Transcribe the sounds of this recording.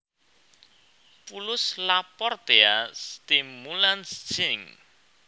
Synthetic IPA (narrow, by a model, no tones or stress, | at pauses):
pulʊslapɔrt̪east̪imulanst͡ʃiŋ